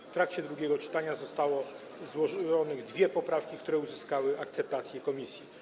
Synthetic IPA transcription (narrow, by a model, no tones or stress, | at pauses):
ft̪ɾakt͡ɕɛd̪ɾuɡʲjɛɡɔt͡ʂɘ̥t̪aɲazɔst̪awɔ | zwɔɔnɘɣd̪vʲjɛpɔpɾafkʲikt̪uɾɛuzɘskawɘʔak̚t̪sɛp̚t̪at̪sʲjɛkɔmʲisʲji